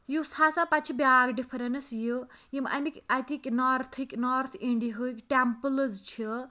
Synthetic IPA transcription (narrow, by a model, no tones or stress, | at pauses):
jusasapat͡ʃʰibjaːɡɖifɾɐnsjujima̰mikajt̪ʰĩŋkʲnɔɾt̪ʰiknɔɾt̪ʰĩɳɖiɦɨikʈempələzt͡ʃʰi